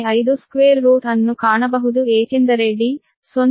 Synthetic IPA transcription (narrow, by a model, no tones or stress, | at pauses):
ɐjd̪uskʋeːɾːuːt̪ɐnːukaːɳɐbɐɦud̪ueːt͡ʃend̪ɐɾeɖːi | son